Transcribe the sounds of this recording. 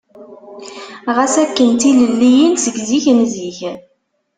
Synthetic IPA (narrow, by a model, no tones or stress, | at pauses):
ʁæsækːənt̪iləlːijənsəɡziçnziç